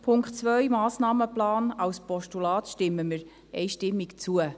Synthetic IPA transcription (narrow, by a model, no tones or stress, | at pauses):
pʰʊŋktt͡sʋœɥmɑːsnɑːməplɑːnɑwspɔʃtulɑːt̪ʃtɪmːəməɾ | ɛɪʃtɪmːikt͡suə